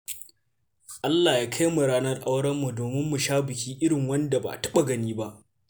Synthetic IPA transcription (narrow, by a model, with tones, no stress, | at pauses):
ʔa˦lːaː˨jaː˦kʰa˦jmu˨ɽaː˦nɐ˦rʔa˦wɽɐ˦mːu˨doː˨mɪ˦mːu˨ʃaː˦bɪ˨kʲiː˦ʔɪ˦ɽɪ˨ŋwɐ˦nda˨ba̰˨tɐ˦ɓa˨ɡɐ˨niː˦ba˦ʔ